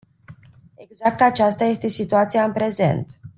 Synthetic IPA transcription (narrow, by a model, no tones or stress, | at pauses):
e̞ɡzak̚t̪at͡ʃast̪aje̞st̪e̞sit̪uat̪sijaɨnpɾe̞ze̞̰nt̪